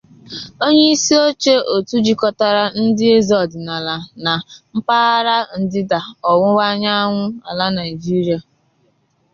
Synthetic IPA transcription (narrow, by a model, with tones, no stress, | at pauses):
o˦ɲe˦i˦si˦o˦t͡ʃe˦ʔo˨tu˦d͡ʒi˦kɔ˦ta˦ɾa˦n̩˦dɪ˦e˦zɔ˨dɪ˨na˨la˨na˨m̩˦pa˦ɾa˦n̩˨dɪ˦da˨ɔ˨ŋʷʊ˦wa˦ɲa˦ŋʷʊ˦a˨la˦na˨ɪ˨d͡ʒi˦ɾi˦a˨